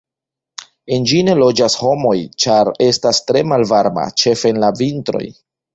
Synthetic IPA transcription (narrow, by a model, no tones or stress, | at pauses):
e̞nd͡ʒine̞lo̞d͡ʒasho̞mo̞jt͡ʃaɾe̞stastɾe̞malvaɾma̰t͡ʃe̞fenlavintɾo̞̰j